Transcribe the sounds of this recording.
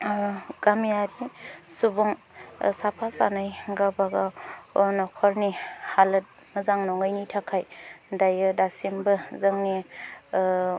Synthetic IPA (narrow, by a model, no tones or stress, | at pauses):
ɡ̥amijaɾisubɔŋ | sapʰasa̰najɡabaɡaɔnɔkʰɔɾnihalɯt̚ | mɐzaŋnɔŋɯjnitʰakʰajdajɯdasimbɯzɯŋni